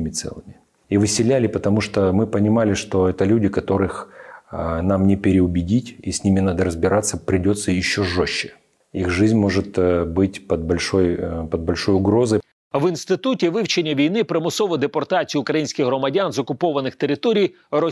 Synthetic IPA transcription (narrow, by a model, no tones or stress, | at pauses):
mʲɪt̪sɛ̰lˠɨmʲɪ | iʋɨsʲɪlʲælʲɪpət̪ɐmuʂt̪omɨpənʲɪmalʲɪʂt̪oɛt̪əlʲudʲɪkɐt̪o̞ɾɨx | namnʲɪpʲɪɾʲɪʊbʲɪdʲitʲisʲnʲimʲɪnad̪əɾəzbʲɪɾʔat̪səpɾʲɪdʲo̞t̪səjɪɕːoʐoɕːɪ̥ | ixʐɨzʲnʲmo̞ʐɨt̪bɨtʲpɐd̪̚bɐlʲʂojpəd̪̚bɐlʲʂo̞jʊɡɾo̞zəj | ʋɪnst̪ɪt̪utʲɪʋɪwt͡ʃenʲːɐʋʲijnɪpɾɪmʊsɔʋɔd̪epɔrt̪at͡sʲijʊʊkɾɐjinʲsʲkʲɪɣɦɾɔmɐdʲanzɔkʊpɔʋɐnɪxt̪eɾɪt̪ɔɾʲij | rɔ